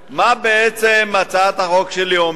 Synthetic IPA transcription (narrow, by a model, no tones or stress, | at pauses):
mabeɛt͡sɛmat͡sat̪haχɔkʃɛlijom